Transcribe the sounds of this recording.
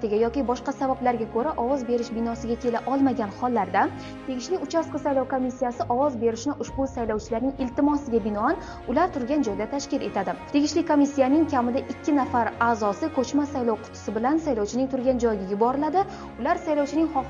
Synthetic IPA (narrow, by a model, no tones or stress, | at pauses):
t̪ɪɡʲajɒkʲɪbɒʃqɑsavablaɾɡʲakʰɵɾaʔɒvɒzbe̞ɾɪʃbɪnɒsɪɡʲakʲʰe̞laʔɒlˠmaɡʲanχɒlˠːaɾd̪a | t̪ʰe̞ɡʲɪʃlɪʊt͡ʃʰasqɨsajlɒwkomisːijasɪʔɒwɒzbe̞ɾɪʃnɪʔʊʃbʊsajlɒwt͡ʃʰɪlaɾnɪŋɪlt̪ɪmɒsɪɡʲabɪnɒan | ʊlaɾt̪ʰʊɾɡʲand͡ʒɒjd̪at̪ʰaʃkʲɪle̞t̪ad̪ɪt̪ʰe̞ɡʲɪʃlɪkʰomisːijanɪŋkʲʰamɪd̪aʔɪkʲːɪnafaɾaːzɒsɪkʰɵt͡ʃmasajlɒwqʰʊ̥t̪ʰʊ̥sɪbɪlansajlɒwt͡ʃʰɪnɪŋt̪ʰʊɾɡʲand͡ʒɒjɪɡʲajʊbɒɾɪlad̪ɪ | ʊlaɾsajlɒwt͡ʃʰɪnɪŋχɒ